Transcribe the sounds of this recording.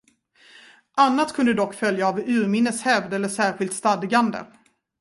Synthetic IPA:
ʔanːat̪kʰɵnd̪əd̪ɔkːfœljaːvʉ̟ːɾmɪnːəshɛvd̪ɛlːəʂæːɾɧɪlt̪st̪ad̪ɡand̪ə̰

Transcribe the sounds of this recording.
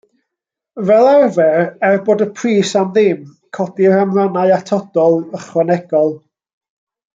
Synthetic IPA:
vɛlˠɛrvɛrɛrboːdəpʰriːsamðɪm | kʰɔdiramranaɨatʰɔdɔlˠəχwanɛɡ̥ɔlˠ

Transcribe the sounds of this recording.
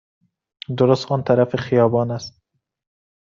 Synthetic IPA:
d̪oɾost̪ɒːnt̪ʰæɾæfeχijɒːbɒːnæst̪

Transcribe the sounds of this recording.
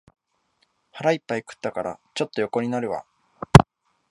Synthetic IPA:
haɾaipːaikɯ̟̥t̪ːakaɾa̰t͡ɕo̞t̪ːo̞jo̞ko̞ɲ̟inaɾɯ̟βa̰

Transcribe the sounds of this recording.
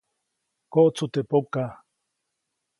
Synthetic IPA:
koʔt͡sut̪epoka

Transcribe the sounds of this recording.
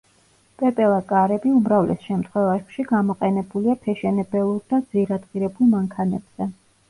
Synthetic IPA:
pʼɛpʼɛlˠakʼaɾɛbiumɾavlɛ̰sʃɛmt̪ʰχwɛvaʃiɡamɔqʼɛnɛbuliapʰɛʃɛnɛbɛlˠuɾd̪ad̪ziɾad̪ʁiɾɛbulˠmaŋkʰanɛb̥z̥ɛ

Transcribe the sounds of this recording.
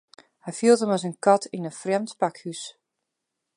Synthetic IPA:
hɛjfiəlˠtəmɔsənkɑtinəfrɛmtpakhys

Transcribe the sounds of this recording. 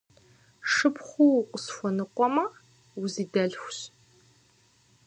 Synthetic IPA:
ʂɨpχʷuqʷəsfʷɔnɨqʷɔmɐ | wʊziːdɐɮxʷɕ

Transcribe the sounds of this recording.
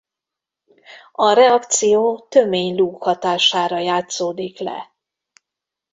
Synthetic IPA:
ɒɾɛɒkt̪sijoːt̪ø̞meːɲluːkhɒt̪aːʃaːɾɒjaːt̪soːd̪iklɛ̰

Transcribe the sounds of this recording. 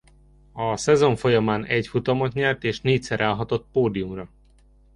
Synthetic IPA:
ɒsɛzo̞ɱfo̞jɒmaːnɛcfut̪ɒmot̪ɲɛlt̪eːʃneːc̚sɛɾaːlɦɒt̪o̞t̪poːd̪ijumrɒ

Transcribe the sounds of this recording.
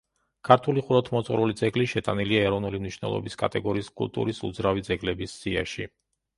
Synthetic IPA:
kʰaɾt̪ʰuliχuɾɔt̪ʰmɔt̪sʼχʼɾulid̪zɛɡliʃɛt̪ʼaniliaɛɾɔvnulimniʃvnɛ̰lˠɔ̰biskʼa̰t̪ʼɛɡɔɾiːskʼṵlˠt̪ʼṵɾisṵd̪zɾavid̪zɛɡlɛbisːia̰ʃi

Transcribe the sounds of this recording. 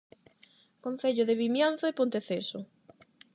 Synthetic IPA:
kon̟θeʎoðeβimjan̟θoepont̪eθesʊ

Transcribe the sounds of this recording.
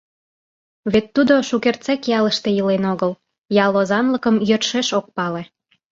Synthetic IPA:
βet̪ːud̪oʃukert͡sekjɑləʃt̪ejilenoɣəl | jɑlozɑnləkəmjørʃeʃok̚pɑle

